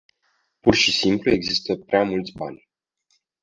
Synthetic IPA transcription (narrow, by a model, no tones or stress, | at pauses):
purʃisimplue̞ɡzist̪əpɾeamult̪sʲba̰nʲ